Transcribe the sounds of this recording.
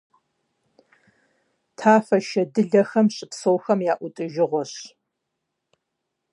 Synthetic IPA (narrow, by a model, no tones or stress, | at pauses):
tʰaːfɐʃɐdɨɮɐxɐmɕʼɪpsoːwxɐmjaːʔʷʊtʼɨʒɪʁʷɔɕ